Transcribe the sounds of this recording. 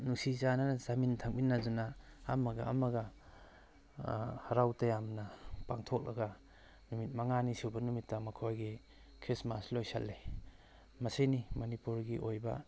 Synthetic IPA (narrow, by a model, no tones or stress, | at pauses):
nuksizananzamintʰaŋ̚minːazunaːmɐɡa̰a̰mɐɡɐ | haɾawtajamnɐpaŋtʰok̚lɐ̰ɡɐ | numit̚mɐŋanisubɐnumitːɐmɐkʰojɡi | kʰɾismaslojsa̰lːe | mɐsenimɐnipuɾɡiʔojbɐ